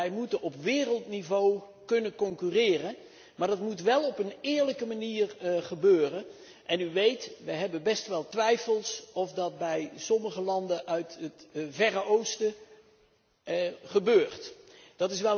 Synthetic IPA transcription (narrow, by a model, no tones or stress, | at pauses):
ɛjmutənɔpʋɪːrəlˠtnivow | kɵnənkɔŋkyrɪːrən | maːɹdɑtmutʋɛlˠɔpənɪːɹləkəmaniːrχəbøːrən | ʔɛnyʋejtʋəjɦɛbənbɛstʋɛlˠtʋɛjfəlˠsɔfdɑt̚bɛjsɔməχəlɑndəʔœɥtətvɛrəowstə | χəbøːrtd̥ɑtɪs̬ʋɛ